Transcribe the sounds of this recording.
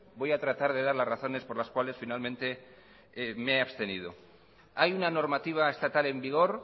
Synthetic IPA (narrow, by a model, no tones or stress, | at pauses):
bo̞jat̪ɾat̪aɾð̞e̞ðaɾlasraθo̞ne̞spo̞ɾlaskwale̞sfinalmẽnt̪e̞ | meeaβst̪e̞nið̞o̞ | ajunano̞ɾmat̪iβ̞aest̪at̪ale̞mbiɣ̞o̞ɾ